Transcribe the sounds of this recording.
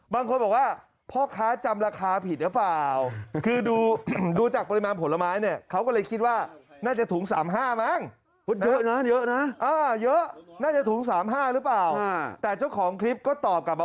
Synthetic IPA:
baː˧ŋkʰo˧nbɔː˨˩k̚waː˥˩ | pʰɔː˥˩kʰaː˦˥t͡ɕa˧mɾaː˧kʰaː˧pʰi˨˩t̪̚ɾɯ˦˥paː˨˩wkʰɯː˧duː˧duː˧t͡ɕaː˨˩k̚pa˧ɾi˧maː˧npʰo˩˦lːa˧maː˦˥jni˥˩ɐkʰa˦˥wkɔː˥˩lɤː˧jkʰi˦˥t̪̚waː˥˩naː˥˩t͡ɕa˨˩t̪ʰuː˩˦ŋsaː˩˦mɦaː˥˩ma˥˩ŋ | u˦˥njɤ˦˥ʔna˦˥jɤ˦˥ʔna˦˥ʔaː˧jɤ˦˥ʔnaː˥˩t͡ɕa˨˩t̪ʰuː˩˦ŋsaː˩˦mɦaː˥˩ɾɯ˦˥plaː˨˩wt̪ɛː˨˩t͡ɕa˥˩wkʰɔː˩˦ŋkʰɾi˦˥p̚kɔː˥˩t̪ɔː˨˩p̚ka˨˩p̚b

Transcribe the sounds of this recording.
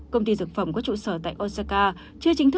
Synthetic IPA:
kə˧wŋ͡mt̪i˧zɨ˨˩k̚fə˨˧˩wŋ͡mkɔ˨˦t͡ɕṵ˧˨səː˧˩t̪a̰ː˧˨jʔo˧sa˧kaː˧ | t͡ɕɨ˧ət͡ɕï˨˦ŋ̟t̪ʰɨ˦˥

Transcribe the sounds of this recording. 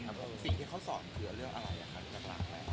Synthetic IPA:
a˦˥pkʰo˧si˨˩t̪iː˥˩kʰa˦˥wsɔː˩˦nkʰɯː˧˩˧ɾɯ˥˩əŋʔa˧ɾa˧jʔa̰˨˩kʰa˦˥˧t͡ɕa˧kla̰ː˧˩kla˧˦

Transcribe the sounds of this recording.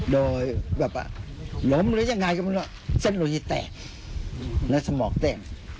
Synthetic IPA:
doː˧jbɛː˨˩p̚a̰˧˩lo˨˦mɾɯ˦jaː˧˩ŋaː˧jka˧˩ma˧nɔ˧˩˨ | se˧˥˩nloː˧t̪ʰi˧˩t̪ɛ̰ː˨˩k̚ | na˧˥˩sa˧mɔː˨˩˦k̚t̪ɛː˧˩k̚

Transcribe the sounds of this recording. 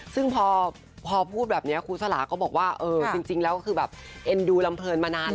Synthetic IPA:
sɯ˥˩ŋpʰɔː˧ | pʰɔː˧pʰuː˥˩t̪̚bɛː˨˩p̚ni˦˥ɐkʰuː˧sʰa˧la̰ː˩˦kɔː˥˩bɔː˨˩k̚waː˥˩ʔɤː˧t͡ɕi˧ŋt͡ɕi˧ŋlɛ˦˥wkɔː˥kʰɯː˧bɛː˨˩p̚ʔe˧nduː˧la˧mpʰɤː˧nmaː˧naː˧˥n

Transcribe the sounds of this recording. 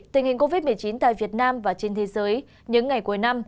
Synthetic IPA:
t̪i˨˩ŋ̟hi˨˩ŋ̟ko˧vi˦˥t̚mɨ˨˩əjt͡ɕi˨˦nt̪a̰ː˧˨jvi˨˩ət̚naː˧mvaː˨˩t͡ɕe˧nt̪ʰe˨˦zəː˨˦j | ɲɨ̰˧˥ŋːa˨˩jku˨˧˩əjna˧m

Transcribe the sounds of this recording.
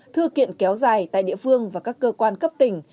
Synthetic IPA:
t̪ʰɨ˧əkḭ˧˨ənkɛ˨˦wzaː˨˩jt̪a̰ː˧˨jɗḭ˧˨əfɨ˧əŋvaː˨˩kaː˦˥kːəː˧kwaː˧nkə˦˥p̚t̪ï˨˩ŋ̟

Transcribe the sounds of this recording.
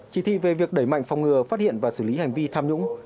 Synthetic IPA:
t͡ɕi˨˧˩t̪ʰḭ˧˨ve˨˩vi˨˩ək̚ɗə˧˩jma̰˧˨jŋ̟fa˨˩wŋ͡mŋɨ˨˩əfaː˦˥t̚hḭ˧˨ənvaː˨˩sɨ˧˩li˨˦ha˨˩jŋ̟vi˧t̪ʰaː˧mɲʊ̰˧˥ŋ͡m

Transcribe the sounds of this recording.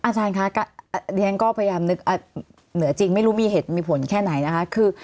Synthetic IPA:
ʔaː˧t͡ɕaː˧nkʰa˦˥ka˥˩˧di˧ɛ˦˥nkɔː˥˩pʰa˧ja˧jaː˧mnɯ˦˥k̚ʔa˧˩ | nɯ˨˩˦ɐt͡ɕi˧ŋma˥˩jɾu˦˥miː˧ɦeː˨˩t̪̚miː˧pʰo˩˦nkʰɛː˥˩na˩˦jna˦˥kʰa˦˥kʰɯː˧

